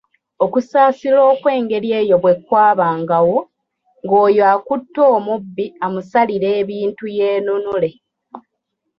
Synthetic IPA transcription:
o̞kusaːsilo̞ːkwe̞ːŋɡe̞ɾje̞ːjo̞βwe̞kwaːβaːŋɡawo̞ | ŋɡo̞ːjoaːkutːo̞ːmubːiamusaliɾe̞ːβiːntuje̞ːnunule̞

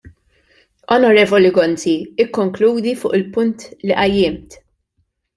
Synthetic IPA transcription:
ɔnɔɾɛːvɔliɡɔnt͡siɪkːɔŋkluːd̪ifʊːʔɪlpʊnt̪liʔɐjːɪːmt̪

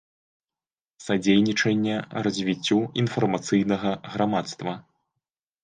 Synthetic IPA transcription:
sad͡zʲejnʲit͡ʂɐnʲːɛrɐzʲvʲit͡sʲːuinfɐrmat̪sɨjnɐɣɐɣɾamat̪st̪vɐ

